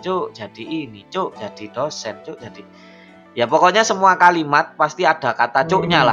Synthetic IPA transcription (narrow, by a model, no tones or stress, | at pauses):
t͡ʃoʔd͡ʒad̥iʔinit͡ʃoʔd͡ʒ̥ad̥id̥osɛnt͡ʃʊʔd͡ʒad̥i | japɔkɔɲasəmuakalimat̪̚past̪iad̥a̤kat̪at͡ʃʊʔɲala̰